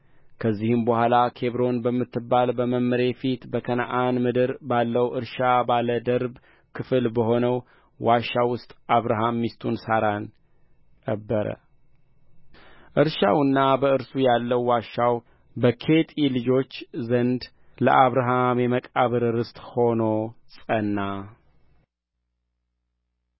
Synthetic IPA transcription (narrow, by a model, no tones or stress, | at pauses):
kʰəzːihɨmbəhʷalakʰe̞βɾo̞nbəmːɨt̪ːɨbːalbəməmːəɾe̞fit̪bəkʰəna̰ʔanmɨd̪ɨɾbalːəwʔɨɾʃabaləd̪əɾb | kʰɨfɨlbəho̞nəw | waʃːawʊst̪ʼaβɾaɦamːist̪ʰunsaɾan | kʼəbːəɾə̰ | ʔɨɾʃawɨnːabəɨɾsujalːəwːaʃːaw | bəkʰe̞t̪ʼilɨd͡ʒo̞t͡ʃːzənd̪ | ləʔaβɾaɦamjɛməkʼaβɨɾɨɾɨst̪ʼho̞no̞sʼənːa